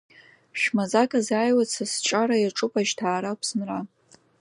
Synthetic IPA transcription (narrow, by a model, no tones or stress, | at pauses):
ʃᶣmazakʼazaːjwat͡sʰasʈ͡ʂʼaɾajaʈ͡ʂʼʊpʼaʒtʰaːɾapʰsɨnra